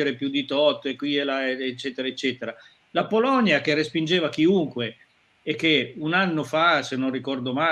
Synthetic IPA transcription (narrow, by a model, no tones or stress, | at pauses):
eɾepjud̪it̪ɔt̪ːekːwiɛlaeet͡ʃːɛːt̪eɾaet͡ʃːɛːt̪eɾa | lapolɔnjak̟erespind͡ʒeːvak̟iuŋkweː | kːeunanːofasenːonrikɔrd̪oma